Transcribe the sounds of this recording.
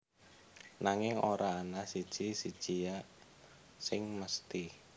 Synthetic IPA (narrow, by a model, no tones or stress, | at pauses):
naŋɪŋoɾʔaːnasi̥ʒ̥isid̥ʒ̥ija | sɪŋməst̪i